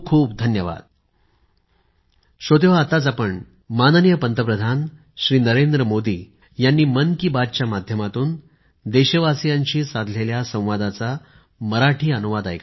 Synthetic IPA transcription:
kʰuːpd̪ʱənjəʋa̰d̪̚ | ɕot̪eʋ̤aːt̪at͡sapəɳ | manənijəpənt̪əpɾəd̪ʱan | ɕɾiːnəɾend̪ɾəmod̪iː | janːiːmənkiːbad̪̚t͡ɕjamad̪ʱjəmat̪uːn | d̪eɕəʋasijaɲt͡ɕiːsad̪ʱleljasə̃w̃ʋad̪at͡sa | məɾaʈʰiːənuʋad̪ajka

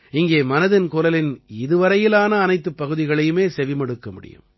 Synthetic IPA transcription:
ɪŋɡeːmɐnɐðɪnkʊlɐlɪnɪðɯʋɐɾɐjɪlaːnɐːnɐɪt̪ːɯpːɐɣɯðɪɣɐɭɐjɯmeːsɛʋɪmɐɽɯkːɐmʊɽɪ̰jɯ̰m

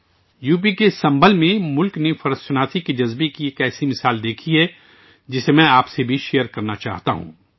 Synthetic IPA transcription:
juːp̬ikesɐ̃mbəlmẽmʊlknefɐɾəssʊnaːt̪ʰikid͡ʒɐzbekieːkɛːsimɪsaːld̪eːkʰiɦɛ | d͡ʒɪsemɛ̃ːaːpsebʱiʃejəɾkɐɾnat͡ʃa̰ːɦt̪a̰ɦṵ̃ː

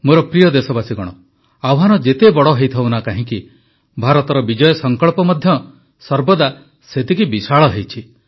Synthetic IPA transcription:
moɾɔpɾijɔd̪esɔbasiɡɔɽ̃ɔ | awɦanɔd͡ʒet̪ebɔɽɔɦejt̪ʰɔwnakaɦĩki | bʱaɾɔt̪ɔɾɔbid͡ʒɔjɔsɔŋkɔɭpɔmɔd̪ʱjɔ | sɔɾbɔd̪a | set̪ʰikibisaɭɔɦejt͡ʃʰi

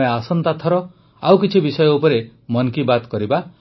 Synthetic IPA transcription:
jasɔnt̪at̪ʰːɔɾɔ | awkit͡ʃʰibisɔjɔupɔɾe | mɔnkibat̪kɔɾiba

